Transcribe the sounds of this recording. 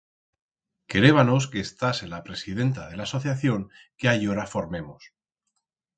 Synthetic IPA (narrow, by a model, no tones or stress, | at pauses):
keɾe̞βano̞ske̞ːst̪aselapɾe̞sið̞e̞nt̪að̞e̞laːso̞θjaθjo̞ŋ | keajo̞ɾafo̞ɾme̞mos